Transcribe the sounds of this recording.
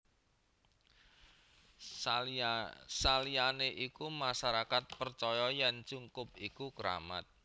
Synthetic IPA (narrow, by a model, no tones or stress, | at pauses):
salianeʔikumasaɾakat̪̚pərt͡ʃɔjɔjand͡ʒuŋkʊp̚ikuɡəɾa̰ma̰t̪̚